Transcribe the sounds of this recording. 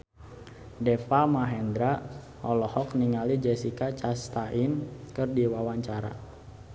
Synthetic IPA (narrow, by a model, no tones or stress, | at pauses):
dɛfamaɦɛnd̪ɾa | ɔlɔhɔkniŋalid͡ʒɛsikat͡ʃast̪aʔinkɨrdiwawaɲt͡ʃaɾa̰